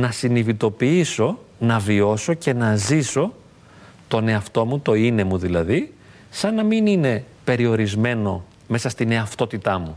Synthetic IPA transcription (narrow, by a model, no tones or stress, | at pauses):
nɐsinivit̪o̞piiso̞ | nɐvio̞so̞ce̞nɐziso̞ | t̪o̞ne̞ɐft̪o̞mut̪o̞ine̞muðilɐði | sɐnːɐminine̞pe̞ɾio̞ɾizme̞no̞̰ | me̞sɐst̪ine̞ɐft̪o̞t̪it̪ɐmu